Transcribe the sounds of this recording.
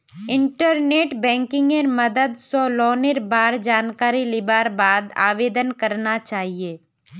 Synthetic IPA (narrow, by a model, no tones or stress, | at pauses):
ɪ̃ɳʈəɾneːʈbɛ̃ːŋkɪ̃ŋɡeɾmɐd̪əd̪sɔːlɔːneɾbaːɾd͡ʒaːnkaːɾilɪbaːɾbaːd̪a̰ːʋeːd̪ənkɐɾnat͡ʃaːɦieː